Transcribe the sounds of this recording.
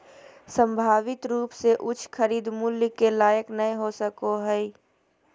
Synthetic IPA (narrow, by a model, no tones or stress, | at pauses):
sə̃mbʱaːʋɪt̪ɾuːpseʔʊt͡ʃʰkʰəɾiːd̪mʊljkelaːjəknɐẽɦosəkoɦɛi